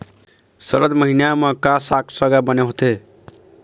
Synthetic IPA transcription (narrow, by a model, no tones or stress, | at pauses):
səɾəd̪məɦinamə̃kasakʰsəɡabəneɦot̪e